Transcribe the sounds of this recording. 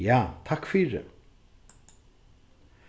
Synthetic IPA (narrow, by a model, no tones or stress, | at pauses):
jaːt̪ʰakfyːɾə̰